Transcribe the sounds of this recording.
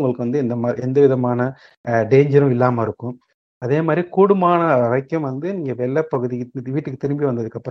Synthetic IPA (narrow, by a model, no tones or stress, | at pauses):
ŋɡɐɭɯkːɯʋɐnd̪ɯɛnd̪ɐmaːɾɛnd̪ɐʋɪðɐmaːnɐ | ɖeːɲd͡ʒɐɾɯ̃mɪlːaːmɐɪɾɯkːɯ̃m | ɐðeːmaːd̪ɾikuːɽʊmaːnɐɐɾɐɪkːɐmʋɐnd̪ɯniːŋɡɐʋɛɭːɐpːɐɣɯðiʋiːʈːɯkːɯt̪ɪɾɪmbiʋɐnd̪ɐðɯkːɐpːɯɾ